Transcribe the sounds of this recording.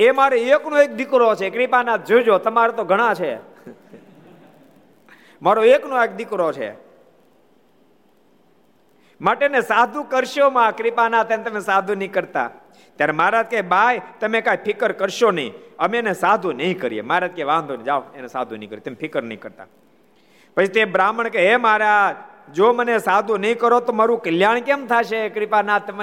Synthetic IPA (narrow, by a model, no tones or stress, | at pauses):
emaɾoeknõek̚d̪ɪkɾot͡ʃʰekɾipanat̪̚d͡ʒod͡ʒot̪əmaɾet̪oɡʱəɽ̃ãt͡ʃʰe | maɾoeknõek̚d̪ɪkɾot͡ʃʰḛ | maʈenesad̪ʱukəɾʃomãkɾipanat̪enet̪əmesad̪ʱunəĩkəɾt̪a̰ | t̪jaɾemaɾat̪̚kebajt̪əmẽkaipʰɪkəɾkəɾʃonəḭ̃əmenesad̪ʱunəĩkəɾijḛmaɾat̪̚keʋãnd̪ʱond͡ʒaʋenesa̰d̪ʱunəĩkəɾijet̪əmepʰɪkəɾnəĩkəɾt̪a̰ | pət͡ʃʰit̪ebɾaməɳkeemaɾad͡ʒomənesad̪ʱunəĩkəɾot̪omaɾũkəljaɳkemt̪ʰaʃekɾɪpanat̪ːəm